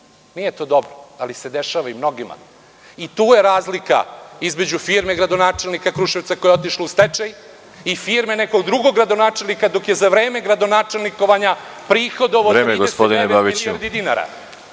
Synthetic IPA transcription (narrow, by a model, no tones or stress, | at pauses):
nijet̪oːd̪obɾoalise̞d̪eʃaːʋaimno̞ɡima̰ | it̪uːje̞ɾaːzlika̰izme̞d͡ʑufiːɾmeɡɾad̪onaːt͡ʃe̞lnikakɾuʃeʋt̪sakojeo̞t̪iʃloust̪et͡ʂaj | ifiɾmeneko̞ɡd̪ɾuɡo̞ɡɾad̪o̞naːt͡ʂe̞lnikad̪o̞kje̞zaʋɾe̞ːme̞ɡɾad̪o̞naːt͡ʃe̞lniko̞ʋaɲapɾiːxo̞d̪oʋoɾeːmeɡospd̪inebabiɛɾd̪id̪inaɾa̰